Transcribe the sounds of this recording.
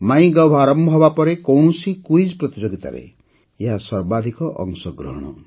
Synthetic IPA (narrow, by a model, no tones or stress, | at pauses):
maj̃ɡɔwbʱaɾɔmbʱɔbapɔɾekowɳɔsikuid͡ʒpɾɔt̪id͡ʒoɡit̪a̰ɾḛ | eɦasɔɾbad̪ʱikɔʔɔ̰ŋsɔɡɾɔɦɔɽ̃ɔ̰